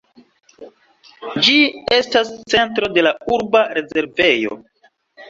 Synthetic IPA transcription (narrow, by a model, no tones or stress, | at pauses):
d͡ʒie̞stast͡se̞ntɾo̞de̞lauɾbaɾe̞ze̞ɾve̞jo̞̰